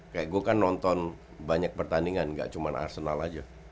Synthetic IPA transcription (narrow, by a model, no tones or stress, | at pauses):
kajaʔɡuakanːɔnt̪ɔn | baɲak̚pərt̪aniŋanŋɡa̰ʔt͡ʃumanʔa̰rsənalad͡ʒa